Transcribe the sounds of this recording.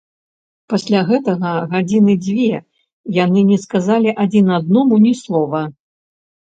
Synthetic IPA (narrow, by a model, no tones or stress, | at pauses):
pasʲlʲaɣɛt̪ɐɣɐɣad͡zʲinɨd͡zʲvʲɛ | janɨnʲɛskazalʲiʔad͡zʲinad̪̚nɔmunʲislˠɔvɐ